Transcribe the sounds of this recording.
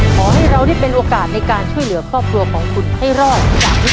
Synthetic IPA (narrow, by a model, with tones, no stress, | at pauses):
kʰɔː˩˦ɦa˥˩jɾa˧wɾaː˥˩pe˧nʔoː˧kaː˨˩t̪̚na˧jkaː˧nt͡ɕʰu˥˩əjlɯ˩˦ɐkʰɾɔː˥˩p̚kʰɾu˧ɐkʰɔː˩˦ŋkʰu˨˧˩n̚ha˥˩jɾɔː˥˩k̚jaː˨˩k̚i˦˥